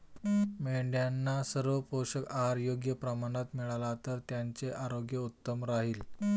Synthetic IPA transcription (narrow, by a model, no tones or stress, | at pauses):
meɳɖjanːasəɾʋəpoɕəkaɾjoɡjəpɾəmaɽ̃at̪miɭalat̪əɾt̪jaɲt͡seʔaɾoɡjəut̪ːəmɾaɦiːl